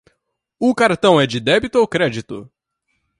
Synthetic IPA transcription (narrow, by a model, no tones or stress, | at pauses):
ʊkaɾt̪ɐ̃w̃ɛd͡ʒɪd̪ɛbit̪ʊowkɾɛd͡ʒit̪ʊ